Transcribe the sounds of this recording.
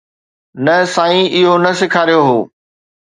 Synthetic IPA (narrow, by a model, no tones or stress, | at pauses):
nɐsaːĩɪɦonɐsɪkʰaːɾijoɦoː